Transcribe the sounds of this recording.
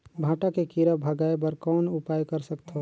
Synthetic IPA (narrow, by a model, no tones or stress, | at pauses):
bʱãːʈakekiɾəbʱəɡaːebəɾkɔːnʊpaːjkəɾsək̚t̪ɦo